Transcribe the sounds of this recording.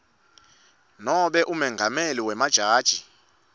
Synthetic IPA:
nɔɓɛʔumɛŋɡʱamɛliwɛmad̥ʒ̥ʱaːd̥ʒ̥ʱi

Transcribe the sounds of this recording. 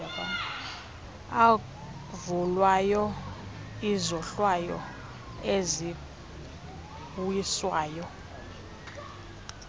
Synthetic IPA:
aka | a | vulwajɔ | izɔɬwajɔ̰ | ezi | bujiswaːjɔ

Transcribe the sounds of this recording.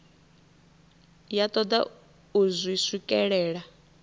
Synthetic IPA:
jat̪ʼɔd̪a̰ | uzwisikʼɛɺɛːɺa

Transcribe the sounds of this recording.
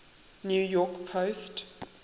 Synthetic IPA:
njuːjɔkpʰoʊst

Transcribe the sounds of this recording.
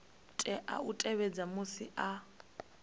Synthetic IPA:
tʼɛʔa̰utʼɛβɛd͡zamusiʔa

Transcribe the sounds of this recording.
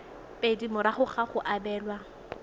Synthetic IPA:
pʼedimʊɾaχʊχaχʊʔabɛːlwa

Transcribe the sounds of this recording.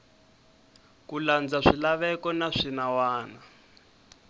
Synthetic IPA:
kuland͡zaʂilaβɛkɔnaʂinawaːna

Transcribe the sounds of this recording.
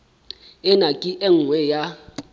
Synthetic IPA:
ɪnakʼɪʔeŋ̩ŋwɛja

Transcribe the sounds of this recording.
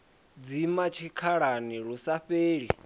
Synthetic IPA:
d͡zimat͡ʃʰikʰaɺaniɺusaɸeːɺi

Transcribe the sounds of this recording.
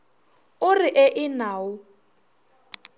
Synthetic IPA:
ʊrɪʔɛʔɪnaːʊ

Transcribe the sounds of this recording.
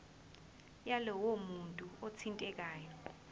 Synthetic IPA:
jalɔwomuntʼuot͡sʰintʼɛk̬ʼaːjɔ

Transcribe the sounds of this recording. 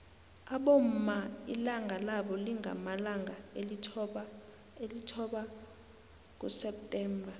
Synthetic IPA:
aɓom̩maḭlaŋɡʱalaɓɔliŋʱa̰malaŋʱaelitʰɔɓa | elitʰɔɓa | k̬ʼusɛp̚tʼɛːmbʱa

